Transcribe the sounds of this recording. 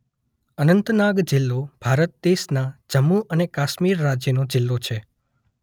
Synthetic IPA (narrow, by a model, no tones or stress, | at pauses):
ənənt̪naɡd͡ʒɪlːob̥ʱaɾət̪̚d̪eʃnad͡ʒəmːuʔənekaʃmiɾːad͡ʒjənod͡ʒɪlːot͡ʃʰe